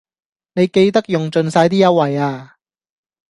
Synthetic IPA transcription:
ne˨˧jke˧jt̪ɐ˥k̚jʊ˨ŋt͡sɵ˨˧nsaː˧jt̪̬iː˥jɐ˥wɐ˨jaː˧

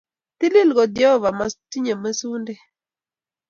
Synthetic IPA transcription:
t̪i˦lɪ˦lɡɔ˨d̪jɔ˦˨va˨ma˦ti˦ɲe˨ma˦su˦nde˦

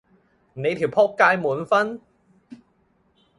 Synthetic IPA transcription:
ne˨˧jt̪ʰiː˨˩wpʰɔː˥kːaː˧jmuː˨˩˦nfɐ˥n

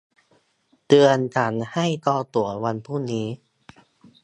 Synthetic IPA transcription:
t̪ɯ˧ənt͡ɕa˩˦nha˥˩jt̪ɔː˧t̪u˨˩˦ɐwa˧npʰuː˥˩niː˦˥

